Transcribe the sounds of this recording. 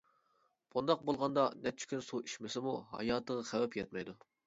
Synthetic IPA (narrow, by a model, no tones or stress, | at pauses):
b̥und̪ɑq̚bolˠʁɑnd̪ɑnɛt͡ʃʰy̥kʲʰynsuiʃmɪsɪmuɦɑ̰jɑːt̪ʰəʁɑχæwɛpjɛt̪̚mɛjd̪u